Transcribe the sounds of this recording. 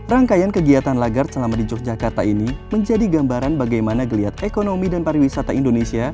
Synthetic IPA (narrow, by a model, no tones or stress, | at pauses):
raŋkajankəɡiat̪anlaɡarsəlamadid͡ʒɔk̚d͡ʒakart̪ainiməɲd͡ʒadiɡambaɾanbaɡajmanaɡəliat̪ekonomidanpaɾiwisat̪aindonesia